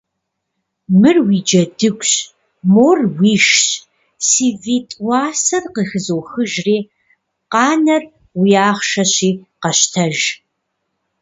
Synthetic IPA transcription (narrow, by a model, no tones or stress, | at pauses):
mɨrwiːd͡ʒɐdɨɡʷʼɕ | moːrwiːʃɕ | siːviːtʼwɑːsɐrqəxɨzoːxɨʒriː | qɑːnɐr | wijaːχʃɐɕiːqɐɕtʰɐʒ